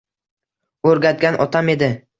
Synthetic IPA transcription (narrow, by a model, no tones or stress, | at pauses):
ɵɾɡʲat̪̚ɡʲanʔɒ̰t̪ʰame̞d̪ɪ